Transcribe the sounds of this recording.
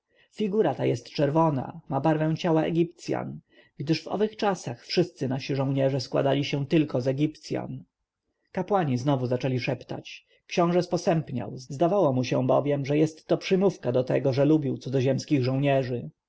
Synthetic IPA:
fʲiɡuɾat̪ajɛst̪t͡ʂɛɾvɔna̰mabaɾvɛ̃w̃t͡ɕawaɛ̰ɡʲip̚t̪sʲja̰n | ɡd̪ɘʂvɔ̰vɘxt͡ʂasaxfʂɘst̪sɘnaɕiʐɔ̃w̃ɲɛʐɛskwa̰d̪alʲiɕɛ̃t̪ɘlkɔzɛɡʲipt̪sʲja̰n | kapwaɲiznɔvuzat͡ʂɛlʲiʂɛpt̪a̰t͡ɕ | kɕɔ̃w̃ʐɛspɔsɛmpɲa̰wzzd̪avawɔmuɕɛ̃bɔ̰vʲjɛmʐɛjɛst̪ːɔpʂɘmufkad̪ɔt̪ɛ̰ɡɔʐɛlubʲiwt̪sud̪ɔʑɛmskʲiɣʐɔ̃w̃ɲɛʐɘ

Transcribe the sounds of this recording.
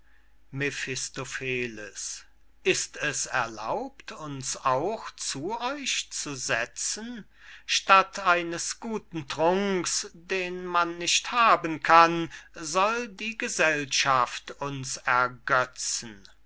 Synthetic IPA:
mefɪstofeːləs | ʔɪstɛsɛɐla̰ʊptʰʊnsaʊxt͡suɔʏçt͡suzɛt͡sən | ʃtatʰaɪnəsɡ̥uːtn̩tʁ̥ʊŋksd̥eːnmanːɪʃthaːbənkʰanzɔldiːɡəzɛlʃaftʊnsɛɐɡœt͡sən̩

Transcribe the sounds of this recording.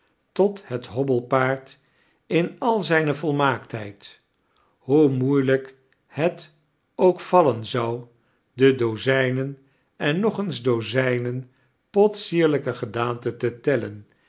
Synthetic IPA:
tɔtɦətɦɔbəlˠpaːɹt | ɪnɑlˠzɛjnəvɔlˠmaːktɦɛjt | ɦumujlək | hɛt | owkfɑlənzɑw | dədozɛjnən | ɛnːɔχənzdowzɛjnən | pɔtsiːɹləkəχədaːntətətɛlən

